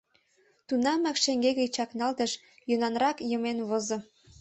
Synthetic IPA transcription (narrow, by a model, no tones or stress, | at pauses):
t̪unɑmɑkʃeŋɡeɣəjt͡ɕɑknɑlt̪əʃ | jonɑnrɾɑkjəmenβozo